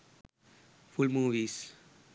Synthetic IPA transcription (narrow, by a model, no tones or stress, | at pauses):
fʊlmuːʋis